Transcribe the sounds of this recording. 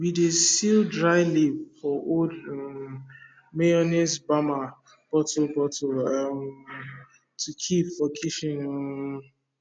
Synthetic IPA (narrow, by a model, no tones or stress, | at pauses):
widesildɹaɪlifɔʔo | meɔnesbama | b̥ɔtobɔtoɔ | tʰukʰipfɔkʰiʃĩn